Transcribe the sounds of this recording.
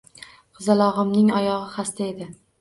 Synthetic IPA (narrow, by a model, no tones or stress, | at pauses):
χɨzalˠɒʁɨmnɪŋɒjɒʁɨχast̪ʰae̞d̪ɪ